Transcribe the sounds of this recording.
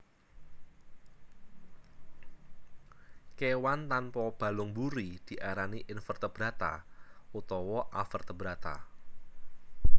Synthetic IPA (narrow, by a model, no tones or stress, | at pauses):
kewant̪anpɔb̥a̤lʊŋbuɾid̥i̤ʔaɾaniʔɪnfərt̪əb̥ɾat̪a̰ut̪ɔwɔʔafərt̪əbɾat̪a̰